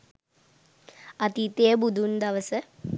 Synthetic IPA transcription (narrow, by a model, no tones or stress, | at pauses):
ɐt̪it̪ebud̪ʱund̪ɐʋɐsɨ